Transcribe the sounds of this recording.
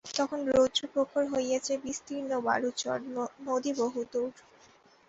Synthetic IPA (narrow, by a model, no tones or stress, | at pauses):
t̪ɔkʰonɾod͡ʑupɾokʰːoɾɦojjet͡ɕʰebist̪iɾnoba̰ɾut͡ɕɔ̰ɾmod̪iboɦut̪oɾ